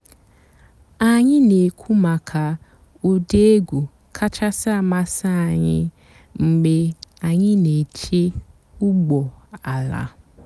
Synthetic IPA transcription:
a˨ɲɪ˦ne˨kʷʰu˦ma˨kʰa˨ | o˦de˦e˦ɡʷu˨ | kʰa˦t͡ʃa˦sa˦a˦˨ma˦sa˦a˨ɲɪ̰˦ | ŋ͡m̩˨ɡ͡be˨a˨ɲɪ˦ne˨t͡ʃe˦ | u˦ɡ͡bɔ˨a˨la̰˨

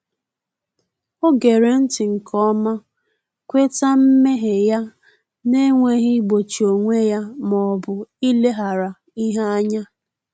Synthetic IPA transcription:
o˦ɡe˨ɾe˨n̩˦tɪ˨ŋ̩˨kɔ˦ma˦ | kʷe˦ta˦m̩˦me˦ɦe˨ja˦ | ne˦ŋʷe˦ɦɪ˦ɡ͡bo˨t͡ʃi˨o˨ŋʷe˦ja˦mɔ˨bʊ˨i˦le˦ɦa˨ɾa˨ | i˦ɦa˦a˦ɲa˦

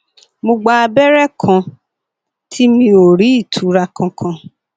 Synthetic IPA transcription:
mo˧ɡ͡ba˧a˧bɛ˦ɾɛ˦kʰã˧ | tʰi˦mĩ˧o˨ɾi˨˦i˦˨tʰu˨˦ɾa˧kã˧kʰã˧

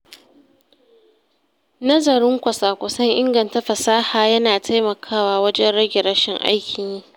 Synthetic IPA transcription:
nɐ˦zɐ˨ɾɪ˦ŋkʷɐ˨saː˨kʷʊ˨sɐ˦ŋʔɪ˦ŋɡɐ˨nta˦ɸɐ˨saː˦haː˨jɐ˦naː˨tʰa˦jmɐ˨kʰaː˦waː˦wɐ˦d͡ʒɛ˦nɽɐ˦ɡʲɪ˨ɾɐ˦ʃɪ˨ŋʔa̰˦jkʲɪ˨ɲɲi˦

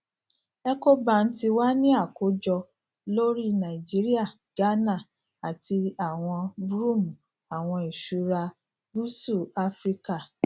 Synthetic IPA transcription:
ɛ˧ko˦ba˦˨n̩˦ti˧wa˦nĩ˦a˦˨ko˨˦d͡ʒɔ˧ | lo˦ɾi˦nã˨i˨d͡ʒi˨˦ɾi˦a˦˨ | ɡ̥a˦nã˦˨ | a˨ti˧a˨w̃ɔ̃˧bɾu˦˨mũ˨ | a˨w̃ɔ̃˧i˨ʃu˨˦ɾa˧ | bu˦su˦˨a˦fɾi˦ka˦˨

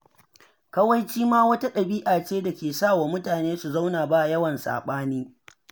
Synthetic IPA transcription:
kɐ˦wɐ˦jt͡ʃiː˦maː˦wɐ˦ta˦ɗɐ˨biː˦ʔaː˨t͡ʃeː˦da˨kʲeː˨saː˦˨waː˨mʊ˦taː˨neː˦su˨za˦wnaː˨baː˦˨jɐ˦wɐ˨nsa̰ː˨ɓaː˦niː˦

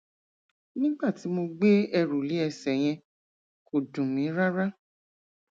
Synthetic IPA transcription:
nĩ˦ɡ͡ba˦˨ti˨˦mo˧ɡ͡be˦ɛ˧ɾu˨li˨˦ɛ˧sɛ˨j̃ɛ̃˧ | kʰo˨dũ˨mĩ˨˦ɾa˦ɾa˦

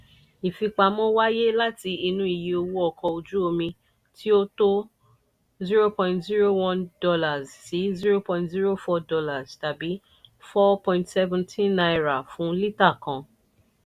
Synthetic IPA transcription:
i˨fi˧k͡pa˧mɔ̃˦wa˦je˦la˦ti˧i˧nũ˦i˦˨je˨o˧wu˦ɔ˧˨kɔ˧o˧d͡ʒu˦o˧mĩ˧ | tʰi˦o˦to˦ | zi˦ɾo˦pɔ̃˧ĩ˨ntzi˦ɾo˦wɔ̃˦˧ndɔ˧la˨zsi˨˦zi˦ɾo˦pɔ̃˧ĩntzi˦ɾo˦fɔ˧dɔ˧la˨zta˨bi˨˦ | fɔ˦pɔ̃˧ĩntsɛ˦vũ˨tʰĩ˦nna˧i˧ɾa˨fũ˨˦li˦ta˦˨kã˨

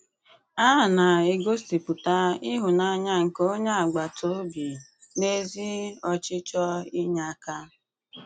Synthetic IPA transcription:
a˦˨na˨e˨ɡo˦sti˨pʊ˨ta˦ɪ˦ɦʊ˨na˦ɲa˦ŋ̩˨ko˦ɲa˦a˨ɡ͡ba˨tʰo˦bi˨ | ne˦zi˦ɔ˦t͡ʃɪ˦t͡ʃɔ˦i˦ɲa˦˨ka˦

